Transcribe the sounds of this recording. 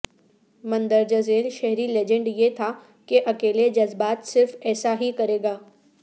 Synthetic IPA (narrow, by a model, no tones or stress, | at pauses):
mɐ̃nd̪əɾd͡ʒɐzeːɾʃɛɦɾileːd͡ʒə̃ɳɖjet̪ʰa | keʔɐkeːled͡ʒɐzbaːt̪sɪɾfɛːsaɦikɐɾeːɡaː